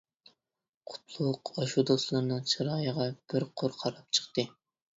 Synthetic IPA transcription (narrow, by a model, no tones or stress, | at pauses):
qʰʊ̥t̪ʰlˠʊqɑʃud̪oslˠɨɾnɨŋt͡ʃʰɨɾɑːjəʁɑb̥ɪɾqʰʊɾqʰɑɾɑp̚t͡ʃʰə̥qt̪ɨ